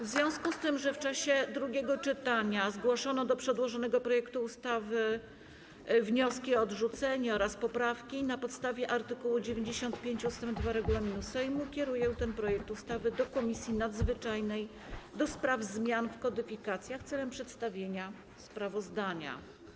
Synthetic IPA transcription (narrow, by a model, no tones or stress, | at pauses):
vzvʲjɔ̃w̃skust̪ɘmʐɛft͡ʂaɕɛd̪ɾuɡʲɛɡɔt͡ʂɘt̪aɲazɡwɔʂɔnɔd̪ɔpʂɛd̪wɔʐɔnɛɡɔpɾɔjɛkt̪uːst̪avɘ | vɲɔskʲiɔːd̪ʐut̪sɛɲɛɔɾaspɔpɾafkʲinapɔt̪st̪avʲjɛʔaɾt̪ɘkuwud͡ʑevʲjeɲd͡ʑeɕɔnt̪pʲjeɲt͡ɕuust̪ɛmd̪vaɾɛɡulamʲinusɛjmukʲɛɾujɛt̪ɛnpɾɔjɛk̚t̪ust̪avɘd̪ɔkɔmʲisʲjinad̪zvɘt͡ʂajnɛj | d̪ɔspɾavzmʲjanfkɔd̪ɘfʲikat̪sʲjaxt̪sɛlɛmpʂɛt̪st̪avʲjeɲa | spɾavɔzd̪aɲa̰